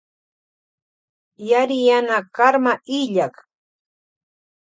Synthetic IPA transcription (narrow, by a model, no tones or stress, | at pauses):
jaɾɪjanakaɾmaʔɪʎak